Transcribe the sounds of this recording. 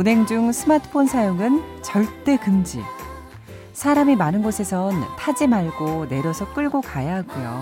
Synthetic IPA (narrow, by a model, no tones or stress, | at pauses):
unɦe̞ŋd͡ʑuŋsʰɯmatʰɯ̥pʰonsʰajoŋɯnt͡ɕʌɭt͈e̞kɯnd͡ʑḭ | sʰaɾamimanɯnɡosʰe̞sʰʌntʰad͡ʑimaɭɡone̞ɾjʌsʰʌk͈ɯɭɡokajaɦaɡujo̰